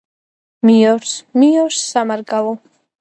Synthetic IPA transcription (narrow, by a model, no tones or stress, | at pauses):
mijɔɾsmijɔɾsːamaɾɡalˠɔ